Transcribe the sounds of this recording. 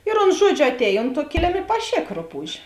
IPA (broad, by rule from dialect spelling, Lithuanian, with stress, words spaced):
ɪr oːns ˈʒuɔd͡ʒʲʊ ɐtʲˈɛːj ˈoːnt tuɔ ˈkʲɪlʲɪm ɪ pɐˈʃʲeːk ˈrʊˌpuːʃʲ